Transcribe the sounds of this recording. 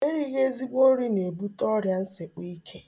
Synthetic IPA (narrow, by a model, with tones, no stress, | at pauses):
e˦ɾi˦ɣe˦zi˦ɡ͡bo˦n̩˦ɾi˦ne˨bu˦tɔ˦ɾja˦n̩˦se˨k͡pi˦kʰe˦